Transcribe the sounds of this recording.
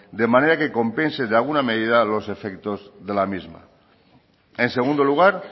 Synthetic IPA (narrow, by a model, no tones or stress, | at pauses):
d̪e̞maneɾake̞ko̞mpe̞nseðealɣ̞unameðiðalo̞se̞fekt̪o̞zðe̞lamizma̰ | enseɣ̞und̪oluɣ̞aɾ